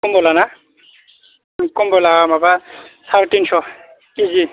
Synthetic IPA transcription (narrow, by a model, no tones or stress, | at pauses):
kumbɔlana | kumbɔlaamabasʰaɾtinsɔ | izi